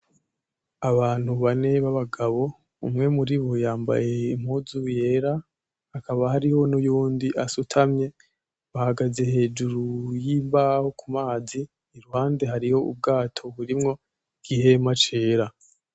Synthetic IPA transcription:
aβaːn̥huβane̞βaβaɡaβo̞ | umŋe̞muɾiβojaːmba̰je̞im̥huzuje̞ːɾa | hakaβahaɾiho̞nujuːndiʔasutʰamɲe̞ | βahaɡaze̞he̞ːd͡ʒuɾujimbaho̞kʰumaːziː | ɾuhaːnde̞ɦaɾiho̞ṵb̚ɡaːtʰo̞βuɾimŋo̞ | ɡ̥iɦe̞mat͡ʃe̞ːɾa

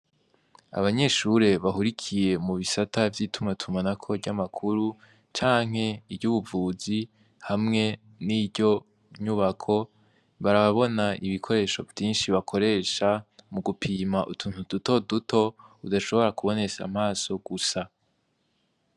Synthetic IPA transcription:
a̰βaɲe̞ʃuɾe̞βaɦuɾikʰije̞muβisatʰavjiːtʰumŋatʰumanakʰo̞ɟamakʰuɾu | t͡ʃaːŋ̥ɦe̞ibɟuːβuvuːzi | hamŋe̞ | nibɟo̞ | ɲuβakʰo̞ | βaɾaβaβo̞naiβikʰo̞ɾe̞ːʃo̞vjiːnʃiβakʰo̞ɾe̞ːʃamuɡupʰiːmaʔutʰuːn̥uduto̞dutʰo̞udaʃo̞βo̞ɾakuβo̞ne̞sa̰m̥aːso̞ɡ̥usa

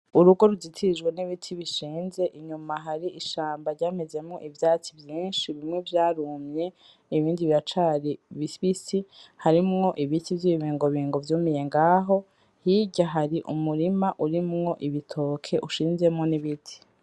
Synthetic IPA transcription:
uɾuɡo̞ɾuzitʰiʒɡwe̞niβitʰiβiʃiːnze̞ʔiɲumaɦaɾiʔiʃaːmbaɾɟaːmeze̞mŋo̞ʔivjaːt͡sivjĩːnʃiβimŋe̞vjaːɾuːmɲe̞ | iβiːndiβiɾat͡ʃaɾiβiβisihaɾimŋo̞ʔiβitivjiβiβiːŋɡo̞βiːŋɡo̞vjuːmije̞ŋɡaːɦo̞ | hiɟaɦaɾiʔṵmuɾimaʔuɾimŋo̞ʔiβitʰo̞ːkʰe̞ʔuʃiːnze̞mŋoniβitʰi̥

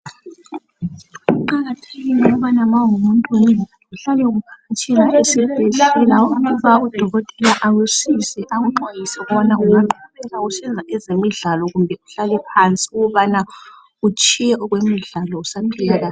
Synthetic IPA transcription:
uǃaɣatʰeɣiniβanamaumuntʼuni | uɬalɛɣukʰaat͡ʃʰʼɛŋaʔisib̥ʱɛɮɛɛlaukʰuβaud̥ʱɔɣɔtʼɛlaʔawesisɛʔaɣuǃajisɛɣɔnaʔujaŋ͡ǃʱɔβɛɣausɛnd͡zʱaʔɛzemiɮalɔɣumbʱɛuɬalɛpʰant͡sʼiuɣɔβana | ut͡ʃʼijɛʔɔɣwemiɮalɔusapʰiɣaɣa

